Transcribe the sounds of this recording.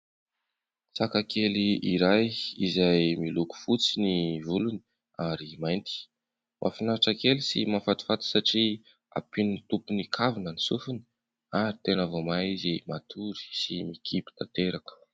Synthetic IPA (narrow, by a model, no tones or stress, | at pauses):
sakakʰeliiɾajizajmiluku̥fut͡sinivulunii | aɾimajnt̪i̥ | mʔa̰finaaʈ͡ʂakelisimafat̪i̥fat̪i̥saʈ͡ʂi | a̰pinint̪upunikʰavinənisufuni̥ | aɾit̪enavomaizimat̪ʰuɾi̥simikʰipi̥t̪at̪eɾakə̥